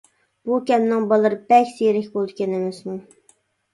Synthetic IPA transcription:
b̥ukʲɛmnɪŋbɑlˠɨɾbɛkʲsejɾɪkʲbolˠd̪ɪ̥kʲɛnemɪsmu

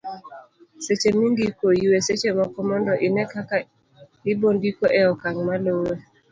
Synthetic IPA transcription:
set͡ʃemiŋɡikojuweset͡ʃemakɔmɔndɔʔɪnɛkaka | ɪbondikoʔɛɔkaŋmalowe

